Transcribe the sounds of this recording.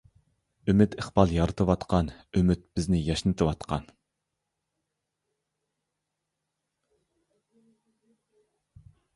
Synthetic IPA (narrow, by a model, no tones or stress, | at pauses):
ymɪt̪ʰəχbɑlˠjɑɾɨt̪ʰɨwɑt̪qʰɑnymɪt̪̚b̥ɪznɪjɑʃnɨt̪ʰɨwɑt̪qʰɑ̰n